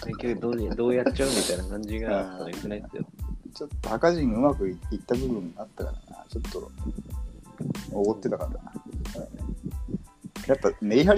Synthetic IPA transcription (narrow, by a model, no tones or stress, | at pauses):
kekʲːokɯd̪oːd̪oːjatːt͡ɕaomʲit̪ainakãɲd͡ʑiɡajokɯnaisɨjo̰t͡ɕo̞t̪ːohakaʑĩŋɯ̟makɯ̟it̪ːabɯ̟bɯ̟̃ŋɡaat̪ːaka̰ɾa̰na̰t͡ɕo̞t̪ʰːo̞̰ | oɡo̞t̪ːe̞t̪akaɾ | japːane̞iɦaɾʲ